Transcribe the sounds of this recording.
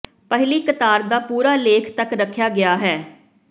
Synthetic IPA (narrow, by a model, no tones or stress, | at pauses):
pəɦɪliːkət̪aːɾd̪aːpuːɾaːleːkʰt̪əkɾəkʰːjaːɡɪaːɦɛː